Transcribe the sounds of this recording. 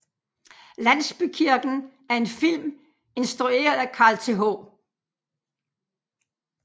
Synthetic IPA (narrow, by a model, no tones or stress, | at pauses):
læn̰sb̥ykʰiɐɡ̥n̩ | æɐe̝nfil̰m | e̝nsd̥ʁue̝̰ːɐð̞ˠækʰɑ̈ːlt͡sʰe̝ɦɔː